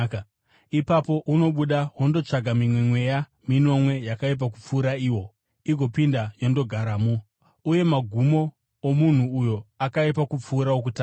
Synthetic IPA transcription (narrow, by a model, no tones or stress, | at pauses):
ipapo̞ʔuno̞ɓuɗaɦwondo̞t͡ʂaɡʱamimwe̞mwe̞ja | mino̞mwe̞jakaip̬ak̬up͡fuːɾaiːwo̞ | iɡʱo̞pindajo̞ndo̞ɡʱaɾamu | uje̞maɡʱumo̞ː | mun̤uːjo̞akaipakup͡fuːɾawok̬utaː